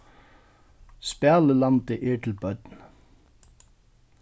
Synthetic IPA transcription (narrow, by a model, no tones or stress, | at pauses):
spæːləlɑnt̪əʔɪːʈʰl̩bœd̪n